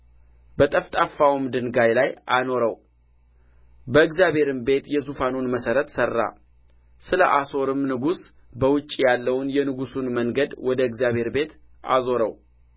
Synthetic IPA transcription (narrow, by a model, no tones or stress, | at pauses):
bət̪ʼəft̪ʼafːawmd̪ɨnɡajlajʔano̞ɾəw | bəɨɡzjabhe̞ɾɨmbe̞t̪jɛzufanonməsəɾət̪sərːa̰ | sɨləʔaso̞ɾɨmnɨɡus | bəwʊt͡ʃʼːijalːəwʊnjɛnɨɡusunməŋɡəd̪wɔd̪əɨɡzjaβhe̞ɾbe̞t̪ | ʔa̰zo̞ɾəw